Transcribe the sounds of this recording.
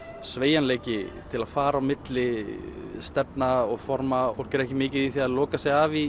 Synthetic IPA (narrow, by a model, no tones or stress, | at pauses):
sveːjanleːjcɪt̪ʰɪlaðfaːɾawmɪt̪lɪ | st̪ɛpnaɔɣfɔɾmaoɾ̥cɪɛɾɛhcɪmɪːcɪðiθiaðlɔːkasɛɣavi